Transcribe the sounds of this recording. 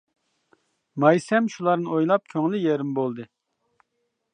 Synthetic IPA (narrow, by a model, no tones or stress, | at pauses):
mɑjsɛmʃulˠɑɾnɨojlˠɑp̚kʲʰøŋlɪjɛɾɪmbolˠd̪ɨ